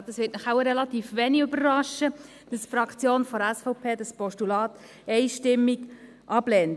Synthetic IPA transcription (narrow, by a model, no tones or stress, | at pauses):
d̥ɑsʋɪːtnɪχaʊɾɛlɑt̪iːfʋɛːniøbərrɑʃə | d̥ɑsfɾɑkt͡sjoːnfɔɾɛsfɔʊpʰeːdɑspɔʃtulɑːt | ɛɪʃtɪmːiɡ | ʔɑb̥lɛːnt